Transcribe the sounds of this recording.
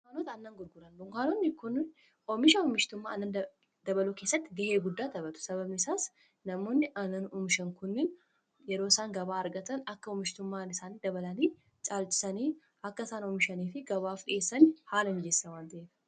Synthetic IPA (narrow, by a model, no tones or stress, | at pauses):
aːnɔt̪ɐɐnːɐŋɡʊɾɡʊɾɐnd̪ʊŋkaːnɔnːɪkʊn | ɔmɪʃɐɔmɪʃt̪ʊmːaːɐnːɐn | d̪ɐbɐluːke̞ːsːɐt̪ːɪɡɐheːɡʊd̪ːaːt̪ɐbɐt̪ʊ̥sɐβɐbnɪsaːs | nɐmo̞ːnːɪʔɐnːɐnɔmɪʃɐŋkʊnːɪn | jɛɾoːɪsaːŋɡɐbaːɐɾɡɐt̪ɐnɐkːɐɔmːɪʃt̪ʊmːaːnɪsaːniːd̪ɐbɐlɐniː | t͡ʃʼaːlt͡ʃɪ̥sɐniː | ʔɐkːɐɪsaːnɔmɪʃɐniːfɪɡɐβaːfɗɪ̰ʔeːsːɐnhaːlɐmɪd͡ʒɛsːɐwaːnt̪ɐeːd̪ɐ̥